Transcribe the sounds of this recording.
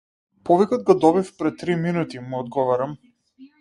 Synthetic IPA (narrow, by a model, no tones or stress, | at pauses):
pɔvikɔd̪̚ɡɔd̪ɔbifpɾɛt̪ːɾiminut̪imuɔd̪ɡɔvaɾam